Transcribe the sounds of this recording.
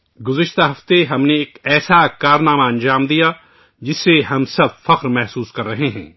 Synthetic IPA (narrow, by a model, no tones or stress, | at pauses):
ɡʊzɐʃt̪aɦɐft̪eɦɐmneːkɛːsakaːɾnaːmaɐ̃nd͡ʒaːmd̪ija | d͡ʒɪsːeɦɐmsɐb̚fɐqɾmɛɦsuːskɐɾːɐɦeɦɛ̰̃ː